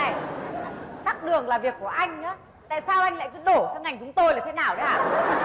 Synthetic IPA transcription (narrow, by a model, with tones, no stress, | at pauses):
j | t̪a˦˥k̚ɗɨ˨˩əŋlaː˨˩vi˨˩əkːu˧˩əʔa˧jŋ̟ə̰˧˨˦ | t̪a̰ː˧˨jsaː˧wʔa˧jŋ̟la̰ː˧˨jkɨ˧˦ɗo˧˩sɔ˧wŋa˨˩jŋ̟t͡ɕʊ˨˦ŋ͡mt̪o˧jlaː˨˩t̪ʰnaː˨˩wɗə˨˦aː˨˩